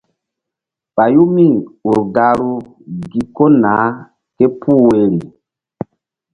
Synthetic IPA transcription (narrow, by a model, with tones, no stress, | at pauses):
ɓa˨ju˦mi˦u˨ɾɡa˨ɾu˦ | ɡi˨ko˦naː˨˦ | ke˦pʰuː˦˨we˨ɾi˨